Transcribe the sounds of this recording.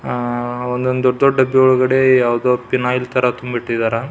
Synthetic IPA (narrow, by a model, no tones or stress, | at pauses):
ɔnd̪ond̪ɔɖd̪ɔɖɖɐbːiɔɭuɡɐɽe̞jaːʋd̪oːpinaːjlt̪ʰɐɾɐt̪umbiʈːid̪aɾa